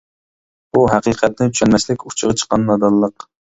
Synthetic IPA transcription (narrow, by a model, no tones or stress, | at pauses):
buɦæqiqʰɛt̪̚nɪy̥ʃɛlmɛslɪkʲu̥t͡ʃʰəʁɑt͡ʃʰə̥qːɑnːɑd̪ɑlˠːəq